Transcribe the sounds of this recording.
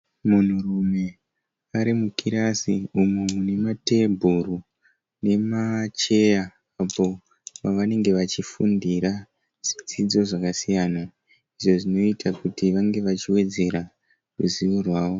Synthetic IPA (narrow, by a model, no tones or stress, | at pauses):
mun̤urume̞ | aɾimukiɾasiumuune̞mate̞bʱuɾu | ne̞mat͡ʃe̞jaː | po̞ | paʋane̞ŋɡe̞ʋat͡ʃifundiɾa | ʐ̥id͡zid͡zo̞ʐakasijana | iʐo̞ʐino̞itʰakutiʋaŋɡe̞ʋat͡ʃiwe̞d͡ze̞ɾa | rṵziʋurwaːʋo̞